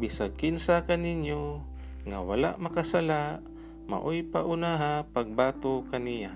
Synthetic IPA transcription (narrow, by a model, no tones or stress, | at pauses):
bisakɪnsakanɪnjo | ŋa̰wa̰la̰ʔmakasalaʔ | ma̰ʔojpaʔʊnaɦapaɡ̚baːt̪okanija